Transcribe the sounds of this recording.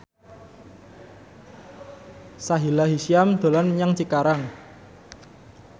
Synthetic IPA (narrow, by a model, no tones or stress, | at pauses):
saɦilaɦisiamd̪̥o̤lanɲaŋt͡ʃikaɾaŋ